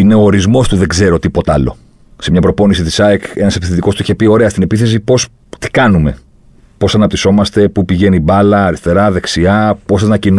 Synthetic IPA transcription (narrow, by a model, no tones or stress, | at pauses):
ine̞o̞ːɾizmo̞st̪uðe̞ɡze̞ɾot̪ipo̞t̪ɐlo̞̰ | semɲɐpɾo̞po̞nisit̪isɐeke̞nɐsepiθet̪iko̞st̪uiçe̞pio̞ɾe̞ɐst̪ine̞piθe̞s̬ipo̞s | t̪i̥kɐnume̞̰ | po̞sɐnɐp̚t̪iso̞mɐst̪e̞pupiʝe̞nibɐlɐːɾist̪e̞ɾɐðe̞ksiɐpo̞sɐznɐcin